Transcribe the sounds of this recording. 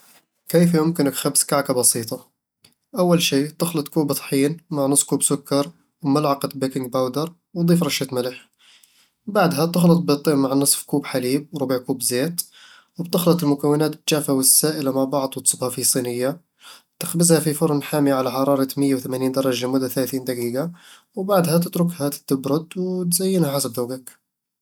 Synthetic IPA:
kijfjʊmkənəkxabskaʕkabɑsˤiːt̪ˤɑ | ʔawːalʃiːt̪əxlɨt̪ˤkuːbt̪ˤħiːnmaʕnəsˤfkuːbsʊkːɑɾˤ | wmalʕɑqət̪bekɪŋɡ̚bawd̪əɾˤ | wd̪ˤiːfɾˤɑʃːat̪mɪləħ | baʕd̪ɦat̪əxlət̪̚ˤbət̪ˤːiːʔmaʕnɨsˤfkuːbħaliːb̚wɾʊbəʕkuːbzet̪ | wbt̪ʊxlɑt̪ˤɪlmʊkawːɪnaːt̪t̪ʒaːfawɪsːaːʔɪlamaʕbɑʕd̪ˤwt̪sˤɨbhafisˤiːnɪjːa | t̪ɪxbɪzhafifʊɾˤnħaːmjaʕalaħɑɾˤɑːɾˤɑt̪mɪjːawθamaːniːnd̪ɑɾˤɑʒamʊd̪ːaθalaθiːnd̪aɡiːɡa | wbaʕd̪hat̪̬ɪt̪ɾʊkhat̪ːɪbɾʊd̪wt̪zajːɪnhaħasabðaːɡak

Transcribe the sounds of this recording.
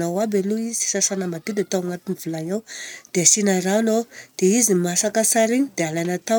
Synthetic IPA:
nawabeluizii̥sasanəmad̪ud̪at̪awaŋat̪inivulajawd̪̥easinaɾanod̪̥eizimasakəsaɾiɲid̪ealanat̪a

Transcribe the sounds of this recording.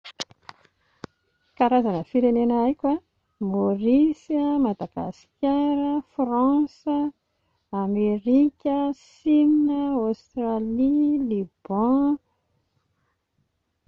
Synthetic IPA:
kaɾazanəfiɾenenəajkʲa | morisəmad̪aɡa̰si̥kʲaɾəfrɑ̃sə | ameɾikʲəsinnəost̪ralilib̥ɑ̃

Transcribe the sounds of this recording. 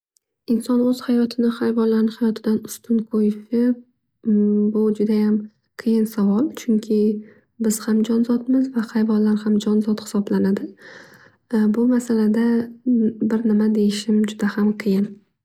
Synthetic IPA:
ɪnsɒnɵz̥hajɒt̪ʰɪnɪχajvɒnlaɾnɪhajɒt̪ʰɪd̪anʊst̪ʰʊnkʰojɪʃɪp̚ | bʊd͡ʒʊd̪ajam | qʰɨjɪnsavɒlˠt͡ʃʰʊŋkʲʰɪ | bɪz̥hamd͡ʒɒnzɒt̪mɪzvaχajvɒnlaɾhamd͡ʒɒnzɒt̪hɪ̥sɒblanad̪ɪ | bʊmasalad̪a | bɪɾnɪmad̪e̞jɪʃɪmd͡ʒʊd̪ahamqʰɨjɪn

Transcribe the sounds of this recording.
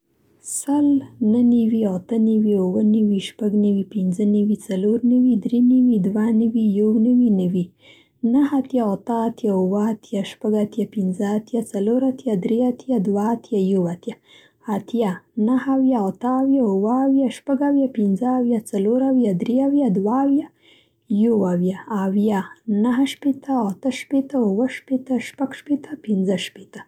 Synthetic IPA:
səlnənɪwiat̪ənawiʊwənɪwiʃpaɡnawipɪnzənawit͡saloɾnawid̪ɾeniwid̪wanawijawnawinawi | naɦat̪jaat̪əat̪jaʊwəat̪jaʃpaɡat̪japɪnzəat̪jat͡saloɾat̪jad̪ɾeat̪jad̪waːt̪jajawat̪jaː | t̪janahawjaat̪əːwjaʊwəːwjaʃpaɡawjapɪnzəːwjat͡saloɾawjad̪ɾeawjad̪waːwja | jowawjaːwjanaɦəʃpet̪əat̪əʃpet̪əʊwəʃpet̪əʃpaɡʃpet̪əpɪnzəʃpet̪ə

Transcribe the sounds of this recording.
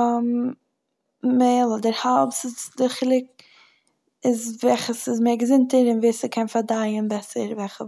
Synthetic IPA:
m | meɪlˠɔdəɾhalˠpsɪsdɪχɪlˠɪk̚ | ɪzvɛχəsɪzmɛːɡəzɪntəɾɪnveːsəkʰɛnfaɾdaɪənbɛsəɾvɛχə

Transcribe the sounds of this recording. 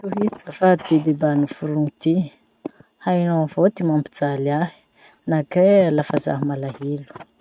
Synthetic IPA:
t̪uɦit͡səfat̪id̪ebanufuɾuŋit̪i | ainoavot̪imambid͡zalaɦi̥ | nakelafaza̰ɦmalaɦilu̥

